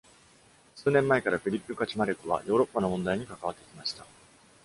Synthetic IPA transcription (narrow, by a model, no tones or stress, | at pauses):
sɨːnẽ̞mːae̞kaɾaɸʲiɾʲipːɯ̟kat͡ɕimaɾekːɯ̟βa̰jo̞ːɾo̞pːano̞mõ̞nd̪aiɲ̟ikakaβ̞at̪ːekʲimaɕi̥t̪a